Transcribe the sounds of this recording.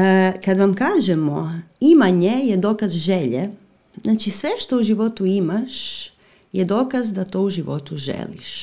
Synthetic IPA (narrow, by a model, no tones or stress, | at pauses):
kad̪ʋamkaːʒemoimaɲe̞jed̪o̞ːkazʒeʎe | znaːt͡ʃisʋeʃt̪o̞uʒiʋo̞t̪uimaʃ | jed̪o̞ːkazd̪at̪o̞uʒiʋo̞̰t̪uʒḛlḭʃ